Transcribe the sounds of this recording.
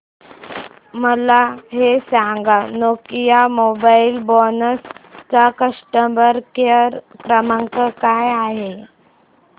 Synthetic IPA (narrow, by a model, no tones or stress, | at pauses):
məlaɦesãŋɡanokijamobailbɔnəst͡sakəʂʈəmbəɾkəɾkɾəmaŋkəkajaɦe